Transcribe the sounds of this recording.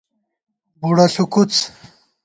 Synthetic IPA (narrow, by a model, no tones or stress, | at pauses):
buɽaɬukut͡s